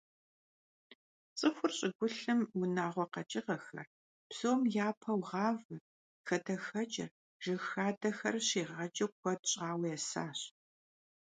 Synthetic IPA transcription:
t͡sʼɨxʷʊrɕʼɪɡʷʊɬɨmwʊnaːʁʷɔqɐt͡ʃʼɪʁɐxɐ̰r | psoːmjaːpʰɐwʁɑːvɨ | xɐdɐxɐt͡ʃʼɪ̰r | ʒ̥ɨxaːdɐxɐ̰rɕiːʁɐd͡ʒʼɐkʷʰɔdɕʼaːwjɛsa̰ːɕ

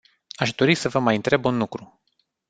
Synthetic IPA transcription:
aʃd̪o̞ɾisəvəmajɨnt̪ɾe̞bunlukɾu

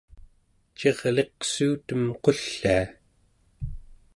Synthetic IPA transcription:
t͡ʃe̞ʁle̞qsuːt̪əmqo̞ɬːaː

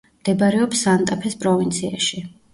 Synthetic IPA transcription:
md̪̥ɛbaɾɛɔpsant̪ʼapʰɛspʼɾɔvint̪sʰiaʃi

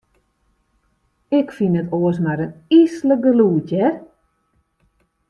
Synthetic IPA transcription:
ɪkfinətoəs̬maɾənisləɡəluːtjɛ

